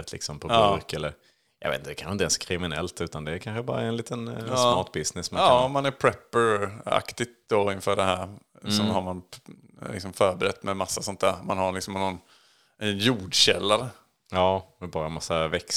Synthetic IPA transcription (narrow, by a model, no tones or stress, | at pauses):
ət̪ʰlɪ̰ksɔmpʰɔbɾkɛlːəɾ | jɑ̰ɡvḛt̪nəd̪ɛkʰanxɪnt̪ɛnskʰɾɪmɪnɛ̰lt̪ʉ̟ːt̪and̪ɛːɾkʰanɧəbɑ̰ːɾaɛnliːt̪ənsmɑːʈbɪsnɪsmaɑmanæɾpʰɾɛpːəɾa̰kt̪ɪɡ̚t̪̚d̪oɪnfœːɖɛhæːɾsɔɦaɾman | lɪ̰ksɔmfœːɾbɛɾɛt̪ːmɛmasːasɔnt̪æːɾmanhaɾlɪksɔmɛnːɔnː | ɛnjuːɖɕɛlːaɾə | ɑːmɛbɑːɾamasːavɛks